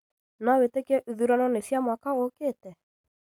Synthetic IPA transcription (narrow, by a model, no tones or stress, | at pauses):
nawetekɛʔuðuɾanɔnesjamwakaokeːtɛ